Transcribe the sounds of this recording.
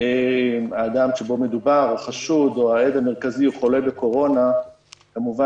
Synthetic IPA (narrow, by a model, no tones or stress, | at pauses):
emaːd̪amʃebo̞me̞d̪ubaʁoχaʃud̪oaed̪ame̞ʁkaziuχo̞le̞be̞ko̞ʁo̞na | kamuva